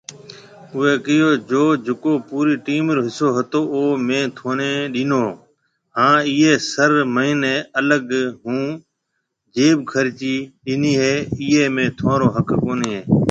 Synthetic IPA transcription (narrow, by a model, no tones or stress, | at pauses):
ʊeːkɪjoːd͡ʒoːd͡ʒʱʊkoːpuːɾiːʈiːmɾoɦɪsoːɦət̪oːoːmẽːt̪ʰoːneːɗiːnoː | ɦãːiːeːsəɾməɦineːələɡɦũː | d͡ʒeːɓkʰəɾt͡ʃiːɗiːniːɦeːiːeːmẽːt̪ʰãːɾoːɦəkkoːneːɦeː